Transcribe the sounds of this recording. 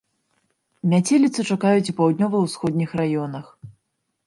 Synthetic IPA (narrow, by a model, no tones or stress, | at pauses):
mʲat͡sʲelʲit̪sɨt͡ʂakajut͡sʲipawd̪̚ʲnʲɔvɐwsxɔd̪ʲnʲixrajɔnɐx